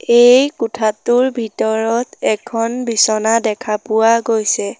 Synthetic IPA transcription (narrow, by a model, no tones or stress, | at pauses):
ejkutʰatʊɹbʱitɔɹɔtɛkʰɔnbisɔnadɛkʰapʊwaɡojsɛ